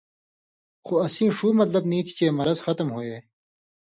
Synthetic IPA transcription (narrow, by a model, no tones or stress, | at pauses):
xoɐsĩːʂuːmɐt̪lɐbnĩːt̪ʰi̥t͡ɕeːmɐɾɐzxɐt̪mɦoeː